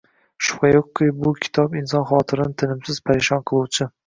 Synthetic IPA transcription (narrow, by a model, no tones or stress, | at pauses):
ʃʊ̥χajokːijbʊkʲʰɪ̥t̪ʰɒpɪnsɒnχɒːt̪ʰɪɾɪnɪt̪ʰɪnɪmsɪz̥pʰaɾɪʃɒnqʰɨlˠuwt͡ʃʰɪ